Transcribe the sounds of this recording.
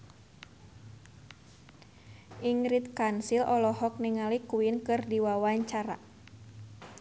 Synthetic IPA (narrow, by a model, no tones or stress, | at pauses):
ʔiŋɾit̪̚kansilʔɔlɔhɔk̚niŋalikuinkɨrdiwawaɲt͡ʃaɾa̰